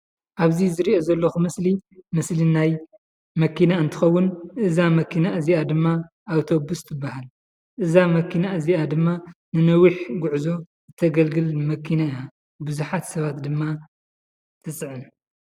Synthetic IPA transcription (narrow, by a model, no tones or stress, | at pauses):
ʔaβzizɨɾiʔo̞zɐlːɐxumɨslimɨslinaj | mɐkʰinaɨnt̪ʰɨxɐwːʊnʔɨzamɐkʰinaʔɨziʔad̪ɨmːa | ʔawt̪ʰo̞bust̪ʰɨbːahal | ʔɨzamɐkʰinaʔɨziʔad̪ɨmːanɨnɐwiħɡuʕzo̞ | zɨt̪ʰɐɡɐlɡɨlmɐkʰːinaia | bɨzuħat̪sɐβat̪d̪ɨmːa | t̪ʰɨt͡sʼɨʕɨn